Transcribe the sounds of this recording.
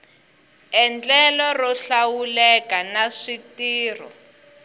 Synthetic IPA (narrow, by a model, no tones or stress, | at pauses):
ɛnd͡ɮɛlɔrɔɬawulɛkanaʂitiːrɔ̰